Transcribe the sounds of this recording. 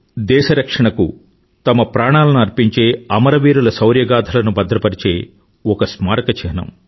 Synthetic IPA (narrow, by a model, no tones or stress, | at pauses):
d̪ɛːʃɐɾɐkʂɐɳɐku | t̪ɐmɐpɾaːɳaːlɐnuɐɾpiɲt͡ʃeːɐmɐɾɐʋiːɾulɐsɐwɾjɐɡaːd̪ʰʱɐlɐnubɐd̪ɾɐpɐɾit͡ʃeː | ɔkɐsmaːɾkɐt͡ʃʰɛɦɐnɐ̰m